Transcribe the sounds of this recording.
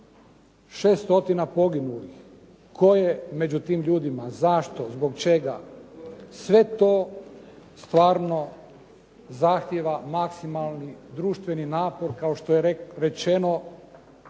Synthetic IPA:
ʃeːst̪o̞t̪inapo̞ɡinulix | kʰo̞jeme̞d͡ʑut̪iːmʎuːd̪imazaʃt̪o̞zbo̞kt͡ʃeɡa̰ | sʋe̞t̪o̞ː | st̪ʋaːɾno̞ | zaxt̪jeʋamaksimalˠnid̪ɾuːʃt̪ʋe̞ninaːpo̞ɾkao̞ʃt̪o̞jeɾe̞t͡ʃeno̞

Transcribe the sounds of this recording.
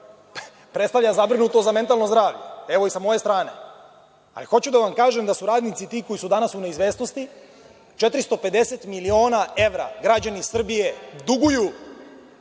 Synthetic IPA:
pɾe̞t̪st̪aʋʎazabɾinut̪o̞zame̞nt̪alno̞zd̪ɾaːʋʎḛe̞ʋo̞isamo̞je̞st̪ɾaːne̞̰ | a̰lixo̞t͡ɕud̪aʋamkaːʒemd̪asuɾaːd̪nit̪sit̪iːko̞jisud̪anasune̞izʋe̞ːsnost̪i | t͡ʃe̞t̪ɾist̪o̞pe̞d̪e̞set̪milio̞ːnae̞ʋɾa̰ɡɾad͡ʑanisr̩bije̞d̪uɡuju

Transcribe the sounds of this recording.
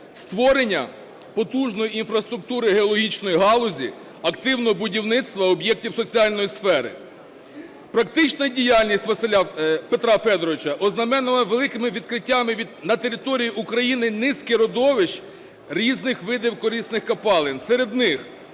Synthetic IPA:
st̪ʋɔɾenʲːɐ | pɔt̪uʒnɔjiinfɾɐst̪ɾʊk̚t̪uɾɪɦeɔlˠɔɦʲit͡ʃnɔjiɦɑlˠʊzʲḭ | ɐkt̪ɪwnɔɦɔbʊdʲiwnɪt̪st̪ʋɐɔbjɛk̚tʲiwsɔt͡sʲiɑlʲnɔjisfɛɾɪ̰ | pɾɐk̚t̪ɪt͡ʃnɐdʲijɑlʲnʲisʲtʲʋɐsɪlʲapet̪ɾɑfɛd̪ɔɾɔʋɪt͡ʃɐʔɔznɐmɛnʊlˠɐʋelˠɪkɪmɪʋʲid̪kɾɪtʲːamɪʋʲid̪nɐt̪e̞ɾʲɪt̪ɔɾʲijiʔukɾɐjinɪnɪsʲkɪɾɔd̪ɔʋɪʃ | ɾʲiznɪxʋɪd̪ɪwkɔɾʲisnɪxkɐpɑlˠɪnsɛɾed̪nɪx

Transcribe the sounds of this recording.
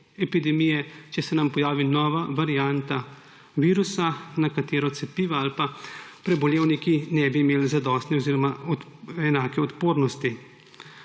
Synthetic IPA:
ɛpid̪ɛmijɛt͡ʃɛsɛnampɔjaːʋinɔːʋaʋaɾiant̪a | ʋiːɾusanakat̪eːɾɔt̪sɛpiːʋaalpapɾɛbɔljeːwnikinɛbiːmeːlzad̪ɔːst̪nɛɔziːɾɔmaɔɛnaːkɛɔt̪poːɾnɔst̪i

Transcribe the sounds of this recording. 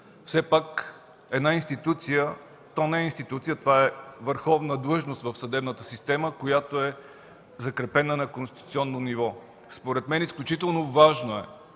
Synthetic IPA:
fsɛpak | ɛd̪nainst̪it̪ut̪sijə | t̪onɛːinst̪it̪ut̪sijət̪ovaɛvəɾxɔvnəd̪lˠɤʒnost̪vəfsɐd̪ɛbnət̪əsist̪ɛməkojat̪oɛ | zɐkɾɛpɛnənɐkonst̪it̪u̥t̪siɔnːonivɔ | spoɾɛt̪mɛnisklʲut͡ʃit̪ɛlˠnovaʒnoɛ

